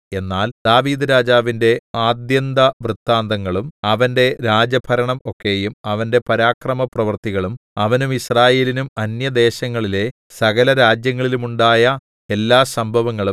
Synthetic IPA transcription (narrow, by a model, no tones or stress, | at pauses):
e̞nːaːld̪̥aːʋiːd̪ɐɾaːd͡ʑaːʋinde̞aːd̪jɐnd̪ɐʋrut̪ːaːnd̪ɐŋːɐɭumɐʋɐnde̞ɾaːd͡ʑɐbʰʱɐɾɐɳɐmo̞kːe̞ːjumɐʋɐnde̞pɐɾaːkrɐmɐprɐʋɐrt̪iɣɐɭumɐʋɐnumisraːjeːlinumɐnjɐd̪e̞ːɕɐŋːɐɭile̞ | sɐɣɐlɐɾaːd͡ʑjɐŋːɐɭilumuɳɖaːjɐ | e̞lːaːsɐmbʱɐʋɐŋːɐɭum